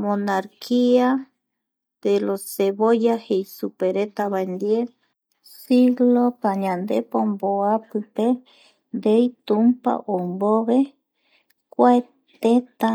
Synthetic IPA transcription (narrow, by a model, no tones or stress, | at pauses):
monaɾkʰia | d̪̥eloseβojahejsupeɾet̪aβaend̪ie | siɣlopaɲãnd̪epomboapɨpe | nd̪ejt̪umpa̰ʔomboβe | kʷae | t̪et̪a